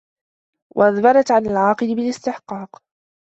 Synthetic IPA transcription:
wʔa̰ʔaðbɑɾˤɑt̪ʕanalʕɑːqɨlɪbɪlɪst̪ɪħqɑːq

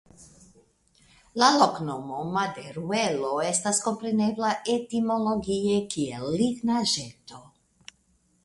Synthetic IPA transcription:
laloknomomad̪eɾueloest̪asko̞mpɾeneblaʔet̪imoloɡiekiḛlːiɡnaʒet̪o

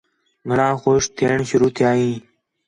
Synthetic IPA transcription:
ɡʱəɳãːxoːʃt̪ʰeːɳʃʊɾuːt̪ʰɪjaːɦĩː

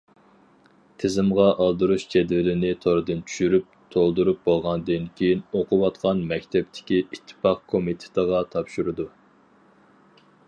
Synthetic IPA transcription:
t̪ʰɪzɪmʁɑʔɑlˠd̪uɾuʃd͡ʒɛd̪vɪlɪnɪt̪ʰoɾɨd̪ɨnt͡ʃʰy̥ʃyɾyp̚t̪ʰolˠd̪uɾup̚bolˠʁɑnd̪ɨnkʲʰejinoqʊwɑt̪qʰɑnmɛkʲt̪ʰɛp̚t̪ʰɪ̥kʲiit̪ʰːɨ̥pɑq̚kʰomit̪ʰe̥t̪ʰəʁɑt̪ʰɑpʃuɾɨd̪u

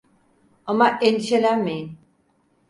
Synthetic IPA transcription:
amaʔend̪iʃelænmejin

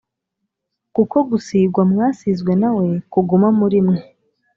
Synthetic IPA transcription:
kuko̞ɡusiːɡwamŋaːsizɡwe̞nawe̞kuɡumamuɾimŋe

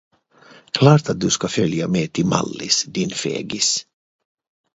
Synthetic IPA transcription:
kʰlɑːʈ̪at̪̚d̪ɵskafœljameːt̪ʰɪma̰lːɪsd̪ɪnfḛːɡɪs

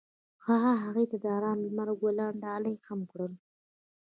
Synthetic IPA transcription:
xɑɦaɦaɣejt̪ad̪ɑɾɑnlmaɾɡolɑɳɖɑlajxamkɽəl

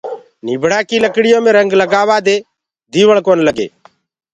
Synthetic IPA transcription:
nɪbʱɽaːkiːləkɽɪjõːmẽːɾə̃ŋɡləɡaːʋaːd̪eː | d̪iːʋəɭ̃koːnləɡḛː

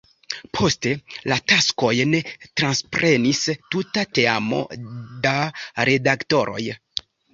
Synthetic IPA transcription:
pʰo̞ste̞latasko̞jne̞tɾanspɾʔe̞nistutate̞amo̞̰daɾe̞dakto̞ɾo̞̰j

